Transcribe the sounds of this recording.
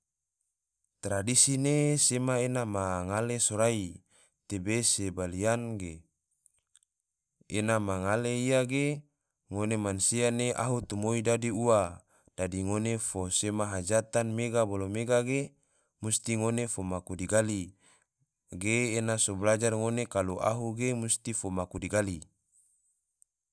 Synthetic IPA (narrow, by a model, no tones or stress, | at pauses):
t̪ɾadisinesemaenamaŋalesoɾai | t̪ebesebalianɡe | enamaŋaleiaɡe | ŋonemansianeʔa̰ɦut̪umoidadiua | d̥adiŋonefosemaɦad͡ʒat̪anmeɡabolomeɡaɡe | must̪iŋonefomakudiɡali | ɡeːnasoblad͡ʒarŋonekaluʔaɦuɡemust̪ifomakudiɡali